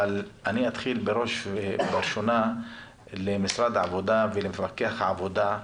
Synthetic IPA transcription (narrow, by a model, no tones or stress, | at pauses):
alʔaniat̪χilbeɾo̞ʃbeɾʃona | lemisɾad̪ʕavod̪avelemfakːeaχaʕavod̪a